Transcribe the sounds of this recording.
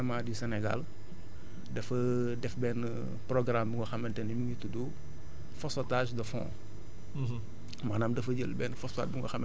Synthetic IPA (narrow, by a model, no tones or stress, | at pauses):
ɐmaːdisɛnɛɡa̰l | dɛfɐ | dɛfbɛːn | prɔɡɾambuŋɡɐxɐmːɐntɛnimiŋitudu | fɔsɔtaːʃdɐfɔ̰̃ | mɐnaːmdɐfɐɟəlbɛːnfɔsa̰t̚buŋɡɔ̰xɐm